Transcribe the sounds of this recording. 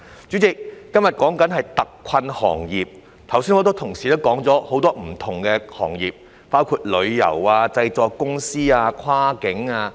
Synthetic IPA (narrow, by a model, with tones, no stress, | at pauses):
t͡sy˨˥t͡sɪ˨k̚ːɐ˥mjɐ˨t̚kɔː˨˥ŋkɐ˨˥nɦɐ˨jt̪ɐ˨kʷːʰɐ˧nhɔ̰ː˨˩ŋjiː˨p̚ | t̪ʰɐ˨˩wsiː˥nŋɔː˨˧˥t̪o˥wt̪ʰʊ˨˩ŋsiː˨t̪o˥wkɔː˨˥ŋt͡sɔː˨˥ho˨˥wt̪ɔː˥m̩˨˩t̪ʰʊ˨˩ŋkɛː˧hɔ̰ː˨˩ŋjiː˨p̚ | paː˥wkʰuː˧t̚lɵ˨˧ɥjɐ̰˨˩waː˧t͡sɐ˧jt͡sɔː˨kkʊ˥ŋsiː˥aː˧kʰwaː˥kɪ˨˥ŋaː˧